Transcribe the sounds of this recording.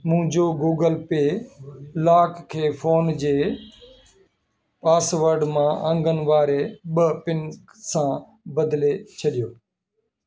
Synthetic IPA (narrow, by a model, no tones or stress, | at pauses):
mʊ̃ɦd͡ʒoːɡuːɡəlpeːlaːkkʰːeːfʰoːnd͡ʑeː | paːsʋəɾɖmãːʔə̃ŋɡənʋaːɾeːɓəpɪnksãː | bəd̪leːt͡ɕʰəɗɪjoː